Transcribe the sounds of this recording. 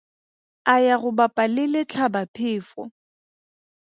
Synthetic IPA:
ajaɣʊbapʼalɪlɪt͡ɬʰabapʰɪːfɔ̰

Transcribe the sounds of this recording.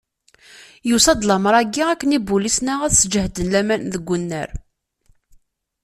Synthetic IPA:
jusɑd̪ˤlɑməɾˤæɡːiækːənibulisnaʁæθsəd͡ʒəhd̪ənlæmænðəɡʷːʊnːə̰ɾ

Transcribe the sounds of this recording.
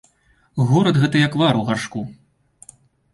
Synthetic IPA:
ɣɔɾɐd̪ɣɛt̪ɐjɐkvaɾuɣarʂku

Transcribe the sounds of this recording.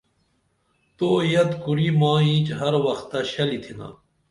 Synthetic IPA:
t̪oːjɐt̪kuɾimãːĩːt͡ɕɦɐɾwɐxt̪ːaɕɐlit̪ʰina̰

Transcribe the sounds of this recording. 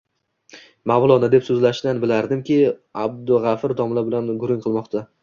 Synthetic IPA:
mavlˠɒnɪd̪e̞psɵzlaʃd̪anbɪlaɾd̪ɪmkʲɪab̚d̪ʊʁɑfɾd̪ɒmlabɪlanɡʊɾɪŋʲqʰɨlˠmɒqt̪ʰa

